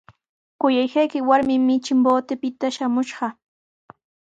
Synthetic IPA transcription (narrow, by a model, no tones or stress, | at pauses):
kʊjajkajkɪwaɾmɪmɪt͡ʃɪmboːt̪ɪpɪt̪aʃamʊʃɢɑ